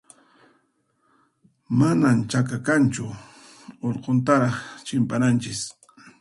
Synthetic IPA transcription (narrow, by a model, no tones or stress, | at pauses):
manamt͡ʃakakant͡ʃʊ | oʎqont̪aɾɑχt͡ʃɪmpanant͡ʃɪs